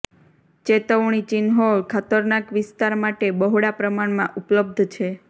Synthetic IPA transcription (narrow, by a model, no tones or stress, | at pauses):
t͡ʃet̪əʋɳ̃it͡ʃinɦoɭkʰat̪əɾnakʋɪst̪aɾmaʈebəɦɽapɾəmaɳmãʔupləb̚d̪ʱt͡ʃʰe